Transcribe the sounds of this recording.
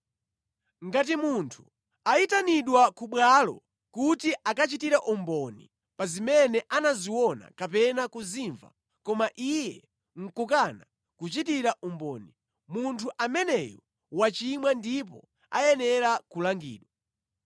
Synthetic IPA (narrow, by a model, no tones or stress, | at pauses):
ŋɡat̬imuntʰu̥ | aitaniɗwakuɓwalɔ̰ | kutiʔakat͡ʃitiɾaʔumbɔnḭ | pazimɛnɛʔanaziwɔna̰kapɛnakuziɱva̰ | kɔmaʔijɛ | ŋ̩kukana | kut͡ʃitiɾaʔumbɔ̰ːni | muntʰuʔamɛnɛjɔ | wat͡ʃimwandip̬ɔ̰ | a̰jɛnɛɾakulaŋɡḭːɗwa